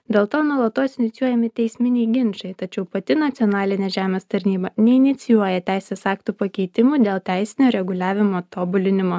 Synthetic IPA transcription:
d̪ʲeːlˠt̪oːnuɔlˠɐt̪oːsʲɪnʲɪt̪sʲjuɔjɛmʲɪt̪ʲɛɪsʲmʲɪnʲɛɪɡʲɪnʃɐɪt̪ɐt͡ʃʲɛʊpɐt̪ʲɪnɐt̪sʲɪɔnɑːlʲɪnʲɛʒʲæːmʲeːst̪ɐɾʲnʲiːbɐnʲɛɪnʲɪt̪sʲɪjuɔjɛt̪ʲæˑɪsʲeːsɑːkt̪uːpɐkʲɛɪt̪ʲɪmuːd̪ʲeːlˠt̪ʲæˑɪsʲɪnʲoːɾʲɛɡʊlʲæːʋʲɪmoːt̪oːbʊlʲɪnʲɪmoː

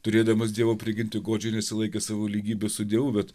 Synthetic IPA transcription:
t̪ʊɾʲeːd̪ɐmɐsd̪ʲiɛʋoːpʲɾʲɪɡʲɪnʲt̪ʲɪɡoːd͡ʒʲʊnʲɛsʲɪlˠɐɪkʲeːsɑːʋoːlʲiːɡʲiːbʲɛsʊd̪ʲiɛʋuːbʲɛt̪

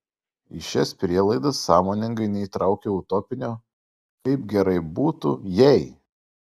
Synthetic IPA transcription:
ɪʃʲɛspʲɾʲiɛlˠɐɪd̪ɐsːɑːmoːnʲɪŋɡɐɪnʲɛiːˑt̪ɾɑˑʊkʲeːʊt̪ɔpʲɪnʲoː | kɐɪpɡʲɛɾɐɪbuːt̪ujɛɪ

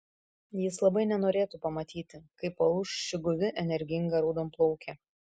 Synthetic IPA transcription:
jɪslˠɐbɐɪnʲɛnoːɾʲeːt̪uːpɐmɐt̪ʲiːt̪ʲɪkɐɪpɐʊʃʃʲɪɡʊʋʲɪʔɛnʲɛɾʲɡʲɪŋɡɐɾoːd̪oːmplˠɔʊkʲɛ

